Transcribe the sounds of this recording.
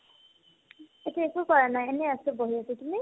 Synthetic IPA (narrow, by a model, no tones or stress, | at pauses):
etiekʊkɔɹanajenɛasʊboɦiatitumi